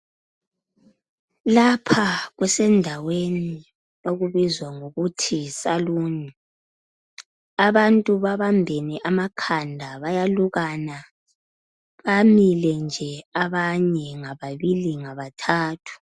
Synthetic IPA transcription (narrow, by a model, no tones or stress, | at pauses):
lapʰaɣwɛsɛndʱaweni | noɣuβizwaŋoɣutʰisaluːɲi | aβantʼuβaβambʱeniʔamakʰandʱaβajaluɣana | βamilɛnd͡ʒʱɛaβaɲɛŋaβaβiliŋaβatʰaːtʰu̥